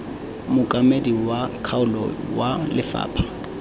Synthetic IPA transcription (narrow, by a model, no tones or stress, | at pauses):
mʊkʼamediwakʰaʊlɔwalɪfa̰ːpʰḁ